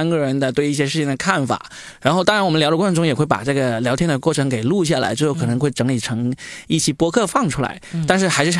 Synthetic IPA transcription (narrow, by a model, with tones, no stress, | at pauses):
nɡə˩ɻə˧˥nd̪ə˧t̪we˥˧ɪi˥˩ɕ̬jɛ˥ʂɻ̩ʰ˥˩i˨˩ŋd̪ə˩kʰa˥˩nfa̰˨˩˦ | ɻa˧˥nxo˥ʊt̪ɑ˥ŋɻa˧˥nwmə˦ljʊʈ͡ʂə˧˥˩ɤ˧˥ŋʈ͡ʂʊ˥ŋjɛ˨˩xwɪpa̰˨˩ʈ͡ʂɤ˥˩ɡə˩ljɑ˧˥ʊt̪ʰjɛ˥nd̪ə˨kwɔ˥˩ʈ͡ʂʰɤ˧˥ŋke˨˩ɪlu˥˧ɕ̬ja˥˩la̰˧˥ɪt͡ɕjjo˥˩kʰɤ˨˩nɤ˧˥ŋxwɪʈ͡ʂɤ˧˥ŋli˨˩ʈ͡ʂʰɤ˧˥ŋi˥˩t͡ɕʰi˨˩pwɔ˥kʰɤ˥˧fɑ˥˩ŋʈ͡ʂʰu˥la̰˧˥ɪt̪a˥˧nʂɻ̩˥˩xa˧˥ɪʂɻ̩˥˩